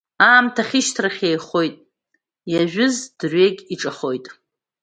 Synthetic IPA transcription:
aːmtʰaχʲɪʃtʰraχʲejχo̞jtʼ | jaʒᶣʊzd̥rɥekʲʼiʈ͡ʂʼaχo̞jtʼ

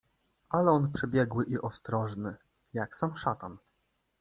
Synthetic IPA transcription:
ʔalɛɔnpʂɛbʲjɛɡwɘʔiʔɔst̪ɾɔʐnɘ | jaksamʂat̪an

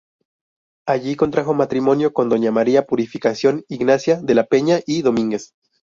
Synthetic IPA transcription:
aʝiko̞nt̪ɾaxo̞mat̪ɾimo̞njo̞ko̞nd̪o̞ɲamaɾiapuɾifikasjo̞niɡnasjaðe̞lape̞ɲaʔiðo̞mĩŋɡe̞s

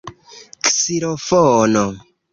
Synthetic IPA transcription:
ksiɾofono

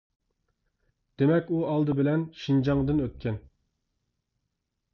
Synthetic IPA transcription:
d̪̥emɛkʲuɑlˠd̪ɨbɪlɛnʃind͡ʒɑŋd̪ɨnøt̪̚kʲʰɛn

